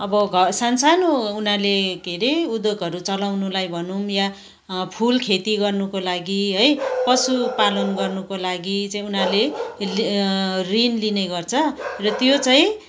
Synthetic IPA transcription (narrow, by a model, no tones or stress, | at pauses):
ʌbʌɡʱʌsansanounalekeɾeud̪oɡʱʌɾut͡sʌlawnulajbʱʌnumja | pʰulkʰet̪iɡʌrnukolaɡiɦʌjpʌsupalʌnɡʌrnukolaɡit͡saĩunalel | rinlineɡʌrt͡sʰʌrʌt̪jot͡saĩ